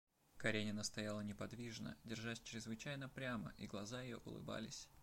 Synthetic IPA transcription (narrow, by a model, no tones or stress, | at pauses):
kɐɾʲenʲɪnəst̪ɐjalˠənʲɪpɐd̪vʲiʐnə̰dʲɪrʐasʲt͡ɕɾʲɪzvɨt͡ɕæjnəpɾʲamə̰ʔiɡlˠɐzajɪjo̰ʔʊ̰lˠɨ̰ba̰lʲɪsʲ